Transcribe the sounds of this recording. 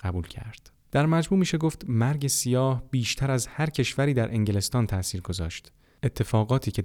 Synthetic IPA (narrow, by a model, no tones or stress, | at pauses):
ɢæbuːlcʰæ̰ɾd̪̥ | d̪̥æɾmæd͡ʒmuːmiːʃe̞ɡoft̪mæɾɟe̞sijɒːhb̥iːʃt̪ʰæɾæzhæɾcʰe̞ʃvæɾiːd̪æɾʔe̞ŋɟele̞st̪ɒːnt̪ʰæʔsiːɾɡo̞zɒ̰ːʃt̪ | et̪ʰːe̞fɒːɣɒːt̪ʰiːcʰe̞